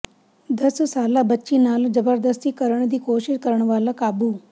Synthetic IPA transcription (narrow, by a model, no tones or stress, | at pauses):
d̪əssaːlabətːʃinaːld͡ʒəbəɾd̪əst̪ikəɾəɳd̪iːkoːʃɪʃkəɾəɳ̃ʋaːləkaːbu